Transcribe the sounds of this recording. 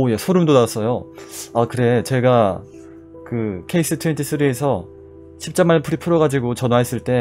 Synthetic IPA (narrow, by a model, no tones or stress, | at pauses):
ojesʰoɾɯmdonas͈ʌjoakɯɾe̞t͡ɕe̞ɡa | kɯkʰe̞is͈ɯtʰuintʰisʰɯɾiesʰʌ | ɕʰip̚t͡ɕ͈amːaɭpʰuɾipʰuɾʌɣad͡ʑiɡot͡ɕʌnwaɦes͈ɯɭt͈e̞